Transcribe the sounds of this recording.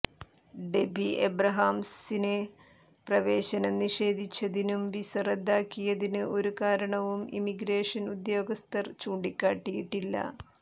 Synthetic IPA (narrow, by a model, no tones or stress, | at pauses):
ɖe̞bʱiʔḛbrɐɦaːmsine | prɐʋeːɕɐnɐniʂe̞ːd̪ʱit͡ɕːɐðinumʋisɐred̪ːaːkːijɐðinɨʔo̞ɾukaːɾɐɳɐʋumḭmiɡɾe̞ːʂɐnud̪jo̞ːɡɐst̪ʰɐrt͡ɕuːɳɖikʲːaːʈːijiʈːilːɐ̰